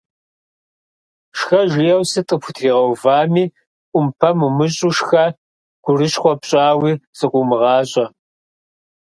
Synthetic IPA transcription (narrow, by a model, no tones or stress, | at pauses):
ʂxɐʒɪjɐwsɨtʼɨpʰʊtʰriːʁɐwvaːmiː | ʔʷʼʊmpʰɐmumɨɕʼuʂxɐ | ɡ̥ʷʊrɨʃχʷɔpɕʼaːwiːsɨqʷʼʊmɨʁɑːɕʼɐ